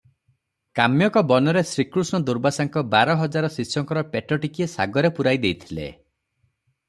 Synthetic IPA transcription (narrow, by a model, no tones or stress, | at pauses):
kamjɔkɔbɔnɔɾesɾikɾusnɔd̪uɾbasaŋkɔbaɾɔɦɔd͡ʒaɾɔsisɔŋkɔɾɔpeʈɔʈikiesa̰ɡɔɾepuɾajd̪ejt̪ʰilḛ